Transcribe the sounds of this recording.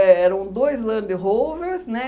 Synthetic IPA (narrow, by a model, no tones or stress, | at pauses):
ɛɛɾɐ̃w̃d̪ojzlɐ̃d̪ɪɦowveɾsnɛ